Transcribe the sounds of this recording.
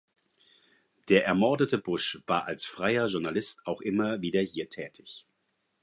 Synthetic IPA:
d̥eːɐʔɛɐmɔɐdətəbʊʃv̥aːɐʔalsfʁ̥aɪɐʒʊɐnalɪstaʊxʔɪmɐviːdɐhiːɐtʰɛːtʰɪç

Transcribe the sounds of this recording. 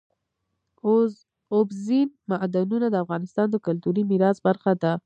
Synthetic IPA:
obzinmaʔd̪anunad̪əafɣɑnɪst̪ɑnd̪əkʊlt̪uɾimiɾɑsbaɾxad̪a

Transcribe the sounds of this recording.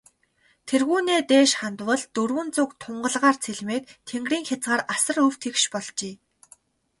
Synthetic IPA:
t̪ʰerɣuːneːt̪eːʃχant̪wə̆ɮt̪ɵrwɵ̆nt͡sʊkt̪ʰʊɴɢə̆ɮʁaːrt͡sʰeɮmeːt̪t̪ʰːeŋɡriːŋxʲat͡sɢaːɾasə̆rɵw̥t̪ʰekʃpɔɮt͡ɕeː

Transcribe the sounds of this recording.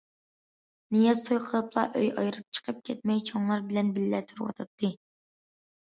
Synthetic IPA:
nijɑzt̪ʰojqʰəlˠɨplˠɑ̰ʔøjɑjɾɨp̚t͡ʃʰə̥qʰəp̚kʲʰɛt̪̚mɛjt͡ʃʰoŋlˠɑɾbɪlɛnbɪlːɛt̪ʰuɾwɑ̰t̪ʰɑt̪ʰːɨ

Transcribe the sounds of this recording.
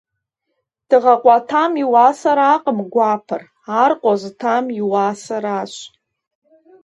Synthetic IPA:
d̥ɨʁaqʷʼatʰamiwasaɾaqʼəmɡʷapʰɨr | arqʷʼaztʰamiwasaɾaʃʷ

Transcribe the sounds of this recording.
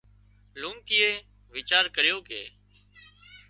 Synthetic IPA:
lũːŋkiːeː | ʋiːt͡ʃaːɾkəɾɪjoːkḛː

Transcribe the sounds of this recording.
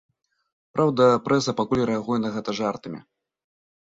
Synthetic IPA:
pɾʔawd̪ɐpɾɛsɐpakulʲɾɛaɣujɛnɐɣɛt̪ɐʐart̪ɨmʲḭ

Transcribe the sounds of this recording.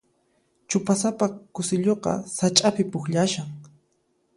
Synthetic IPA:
t͡ʃʊpasapakʊsɪʎoqɑ̰sat͡ʃʼapɪpʊxʎaʃaŋ

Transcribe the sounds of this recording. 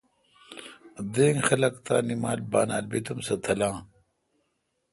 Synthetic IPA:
d̪eːŋxɐlɐkt̪a̰ːnimaːlbaːnaːlbit̪umsɐt̪ʰɐlãː

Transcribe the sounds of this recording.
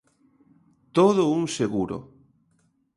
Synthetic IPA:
t̪oðʊuŋseɣuɾo̰

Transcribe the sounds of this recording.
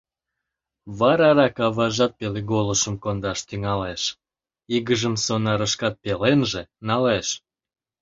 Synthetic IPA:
βɑɾɑɾɑkɑβɑʒɑt̪̚peleɣoləʃəmkond̪ɑʃt̪yŋɑleʃ | iɣəʒəmsonɑɾəʃkɑt̪̚pelenʒenɑleʃ

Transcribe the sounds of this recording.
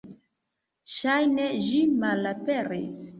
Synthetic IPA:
ʃajneʒimalape̞ɾis

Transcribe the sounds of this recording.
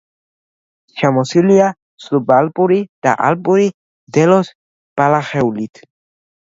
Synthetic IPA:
ʃʰamɔsilia | slubalpʼuɾid̪̥a̰ʔa̰lpʼuɾi | d̪ɛlɔs | b̥alaχɛulit̪ʰ

